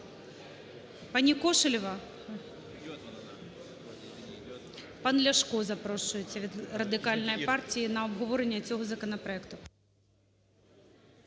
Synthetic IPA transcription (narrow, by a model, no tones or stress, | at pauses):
pɑnʲikɔʃʊlʲɔʋɐ | pɑnlʲɐʃkɔzɐpɾɔʃʊjet͡sʲːɐʋʲid̪rɐd̪ɪkɑlʲnɔjipɑrtʲijinɐɔbɦɔʋɔɾenʲːɐt͡sʲɔɦɔzɐkɔnɐpɾɔɛkt̪ʊ